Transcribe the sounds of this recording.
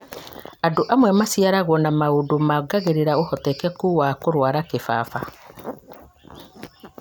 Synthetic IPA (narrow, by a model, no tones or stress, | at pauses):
adoʔamwɛmasijaɾaɣwɔnamaodomaɡaɣeɾeɾaohɔtɛkɛkuwakoɾwaɾakefa̰ːfa